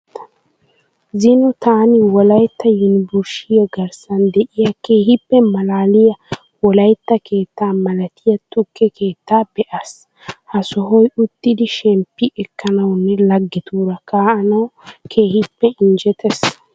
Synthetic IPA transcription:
zɪnɔt̪aːnɪwɔlɐjt̪ːɐjʊnɪbʊʃɪjɐɡɐɾsɐnd̪ɛʔɪjɐke̞ːhɪpːɛmɐlaːlɪjɐ | wɔlɐjt̪ːɐke̞ːt̪ːaːmɐlɐt̪ʰɪjɐt̪ʊkːɛkʰe̞ːt̪ːaːbɛʔas | hɐsɔɦɔjʊt̪ːɪd̪ɪʃɛmpːɪʔɛkːɐnɐwnːɛlɐɡːɪt̪uːɾɐkaːʔɐnɐwkʰeːhɪpːɛɪnd͡ʒɛt̪ʰɛs

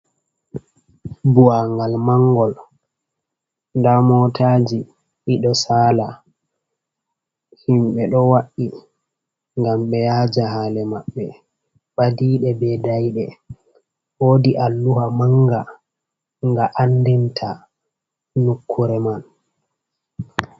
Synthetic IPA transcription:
buwaŋɡalmaŋɡɔl | ndamɔtʰaːd͡ʒi | ʔiɗɔsaːla | himɓɛɗɔwaɗːi | ŋɡamɓɛjaːd͡ʒaɦaːlɛmaɓːɛ | ɓadiːɗɛbɛdajɗɛ | ʔoːdiʔalːuhamaŋɡa | ŋɡaʔandintʰa | nukʰːuɾɛman

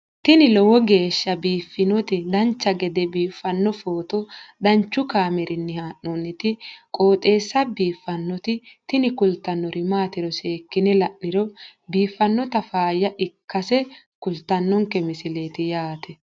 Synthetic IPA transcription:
t̪ɪnɪlɔwɔɡe̞ːʃːɐbiːfːɪnɔt̪ɪd̪ɐnt͡ʃːɐɡɛd̪ɛbiːfːɐnːɔfoːt̪ɔd̪ɐnt͡ʃːʊkaːmɛɾʔɪnːɪhaːʔɔnːɪt̪ɪkʼo̞ːt̪ʼe̞ːsːɐbiːfːɐnːɔt̪ɪt̪ɪnɪkʊlt̪ːɐnːɔɾʔɪmaːt̪ɪɾɔse̞ːkːɪnɛlɐʔnːɪɾɔbiːfːɐnːɔt̪ɐfaːjɐʔɪkːɐsɛ | kʊlt̪ːɐnːɔŋkːɛmɪsɪleːt̪ɪjaːt̪ʰɛ

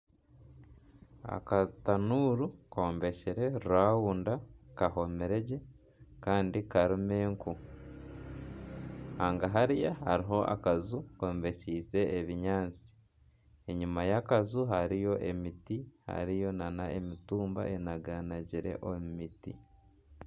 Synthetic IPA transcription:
a̰katanuːɾukoːmbe̞ʃiɾe̞ɾuɾwaːwuːndakaho̞me̞ɾe̞ɟe | kaːndikaɾimeːŋku | haːŋɡaɦaɾijaha̰ɾiɦo̞ʔa̰kazukoːmbe̞ʃiːse̞ʔːβiɲaːnt͡si̥ | eɲumajakazuɦaɾijo̞ʔemitiha̰ɾijo̞nanaemituːmba̰ʔenaɡanaɟiɾe̞̰ʔomumitḭ

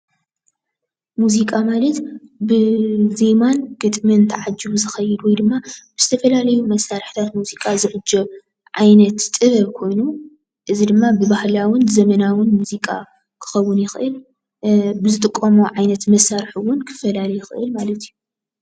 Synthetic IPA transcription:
muzikʼamalɐt̪bɨzemanɡ̥ɨt̪ʼmɨnt̪ʰɐʕad͡ʒːɨwuzɨxɐjːɨd̪wɔjd̪ɨmːab̥ɨz̥ɨt̪ʰɐfɐlalɐjumɐsːaɾħi̥t̪ʰat̪muzikʼazɨʕɨd͡ʒɐ | ʕajnɐt̪t̪ʼːɨβɐβkʰo̞jnu | ʔɨzid̪ɨmːabɨbahlawʊnzɐmɐnawʊnmuzikʼa̰ | kʰɨ̥xɐwʊnjɪxɨʔɨl | bɨzɨt̪ʼɨkʼːomoʕajnɐt̪mɐsaɾħuwʊnkʰɨ̥fɐlalɐjɪxɨʔɨlmalɐt̪ʰiju

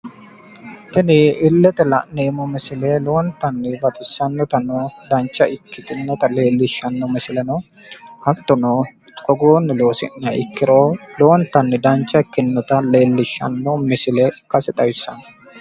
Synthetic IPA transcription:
t̪ɪnɪɪlːɛt̪ɛlɐ̰ʔneːmɔmɪsɪlɛloːnt̪ɐnːɪbɐt̪ʼɪsːɐnːɔt̪ɐnɔd̪ɐnt͡ʃːɐʔɪkːɪt̪ɪnːɔt̪ɐleːlːɪʃːɐnːɔmɪsɪlɛnɔ | hɐt̪ːɔno | kɔɡoːnːɪloːsɪ̰nːɐɪkːɪɾoːloːnt̪ɐnːɪd̪ɐnt͡ʃːɐɪkːɪnːɔt̪ɐleːlːɪʃːɐ̰nːomɛsɪlɛɪkːɐsɪt̪ʼɐjɪsːɐn

